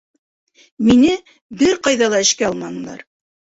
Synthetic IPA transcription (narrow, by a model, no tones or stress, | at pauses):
minɘ | bɘɾqɑjðɑlˠɑɘ̆ʃkæɑlˠmɑnɤ̆lˠɑ̰ɾ